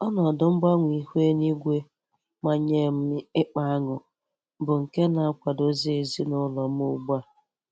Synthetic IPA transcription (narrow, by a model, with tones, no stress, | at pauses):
ɔ˦nɔ˨dʊ˨ŋ͡m̩˦ɡ͡ba˦ŋʷi˨hʷe˦ni˦ɡʷe˦ | ma˦ɲe˦˨m̩˦ɪ˦k͡pa˦a˦ŋʊ˨ | bʊ˨ŋ̩˨ke˦na˨a˦kʷa˨do˦zi˦e˨zi˦nʊ˦lɔ˨m̩˦ʊ˦˨ɡ͡ba˦˨